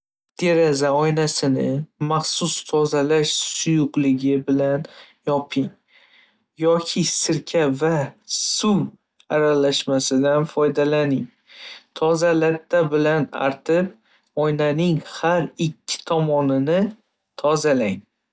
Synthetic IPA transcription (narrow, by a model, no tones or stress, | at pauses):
d̪̥e̞ɾazaɒjnasɪnɪmaχsʊst̪ʰɒzalaʃsʊjʊqlɪɡʲɪbɪlan | jɒpʰɪŋ | jɒkʲʰɪsɪɾkʲʰavasuw | aɾalaʃmasɪd̪anfɒjd̪alanɪŋ | t̪ʰɒzalat̪ʰːabɪlana̰ɾt̪ʰɪp̚ | ɒjnanɪŋhaɾɪkʲʰːɪ̥t̪ʰɒmɒnɪnɪ | t̪ʰɒzalaŋ